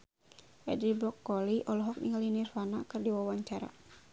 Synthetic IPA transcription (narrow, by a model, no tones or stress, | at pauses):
ʔɛ̰dɾibɾɔkːɔliʔɔlɔɦɔk̚nḭŋalinirfanakɨrdiwawaɲt͡ʃaɾa̰